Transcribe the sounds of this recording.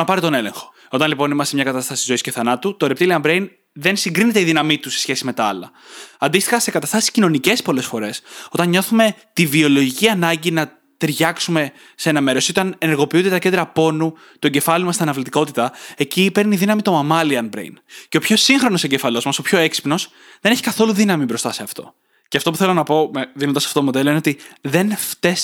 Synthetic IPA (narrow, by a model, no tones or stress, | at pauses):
ɐpɐɾit̪o̞ne̞le̞̰ŋxo̥ | o̞t̪ɐnlipo̞nimɐst̪emɲɐkɐt̪ɐst̪ɐsi̥izo̞isce̞θɐnɐt̪ut̪o̞ɾe̞p̚t̪iliɐmbɾejn | ðe̞nsiŋɡɾinet̪eiðinɐmit̪use̞sçe̞simet̪ɐɐlɐ | ɐnd̪ist̪i̥xɐsekɐt̪ɐst̪ɐsi̥scino̞nice̞spo̞le̞sfo̞ɾe̞so̞t̪ɐnɲo̞θume̞t̪ivio̞lo̞ʝiciɐnɐɲɟinɐ | t̪eɾʝɐksume̞ | se̞nɐme̞ɾosio̞t̪ɐneneɾɣo̞piund̪t̪ɐcnd̪ɾɐpo̞nu | t̪oɟe̞fɐlimɐst̪iɐnɐvlit̪iko̞t̪it̪ɐe̞cipe̞ɾniðinɐmit̪o̞mɐmɐliɐnbɾḛjnce̞opço̞siŋxɾo̞noseɟefɐlo̞zmɐso̞pço̞e̞ksi̥pno̞s | ðe̞neçikɐθo̞luðinɐmibɾo̞st̪ɐse̞ɐft̪o̞̰ | ceɐft̪o̞puθe̞lonɐpo̞meðinond̪ɐsɐft̪ot̪mo̞d̪e̞loineot̪iðe̞nft̪e̞s